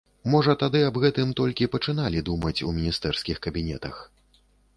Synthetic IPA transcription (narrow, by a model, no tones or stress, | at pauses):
mɔʐɐt̪ad̪ɨɐbɣɛt̪ɨmt̪ɔlʲkʲipɐt͡ʂɨnalʲid̪umɐt͡sʲumʲinʲist̪ɛrskʲixkɐbʲinʲɛt̪ɐ̰x